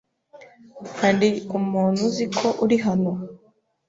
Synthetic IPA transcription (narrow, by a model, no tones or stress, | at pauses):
kʰaːndiumuːnuzikʰoʔuɾiɦano